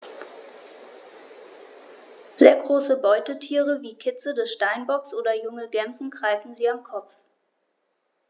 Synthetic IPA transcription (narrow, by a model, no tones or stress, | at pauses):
z̥eːɐɡʁoːsəbɔʏtətʰiːʁəviːkʰɪt͡sədɛsʃtaɪnbɔksʔoːdɐjʊŋəɡɛmzn̩ɡʁaɪfn̩ziːamkʰɔpp͡f